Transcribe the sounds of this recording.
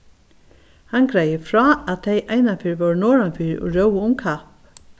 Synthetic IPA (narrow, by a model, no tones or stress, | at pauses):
hankɾajəfɹɔːaðt̪ʰejʔaːjnafɪːɹvɔɹnɔːɹanfiːɾṵɹœwəʊmkʰap